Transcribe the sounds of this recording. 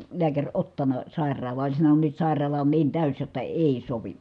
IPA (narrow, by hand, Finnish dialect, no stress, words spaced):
liækærʲ otːɑnɑ sɑˑerˑɑːlˑɑː olʲ sɑnonun nyt sɑˑi̯rˑɑːlɑ on niːn tæˑys jotːɑ eˑi soʋi